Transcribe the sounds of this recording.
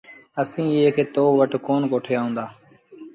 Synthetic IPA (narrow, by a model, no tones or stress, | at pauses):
əsĩːeːkeːt̪oːʋəʈkoːnkoːʈʰejaːɦʊ̃ːnd̪aː